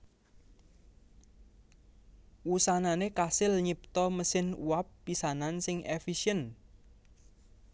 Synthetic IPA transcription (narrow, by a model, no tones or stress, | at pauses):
wusananekasɪlɲip̚t̪ɔməsɪnṵwapːisanansɪŋefiʃiən